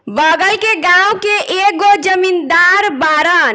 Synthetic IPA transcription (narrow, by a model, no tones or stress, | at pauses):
bəɡəlkeɡãwkeʔek̚ɡod͡ʒəmind̪aɾbaɾən